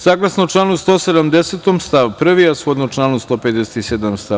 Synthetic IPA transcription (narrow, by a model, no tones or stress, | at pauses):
saːɡlˠasnoʈ͡ʂlˠaːnust̪oːsed̪amd̪eset̪omst̪aʋpr̩ʋiasod̪not͡ʃlˠaːnust̪o̞ːped̪eset̪ised̪amst̪a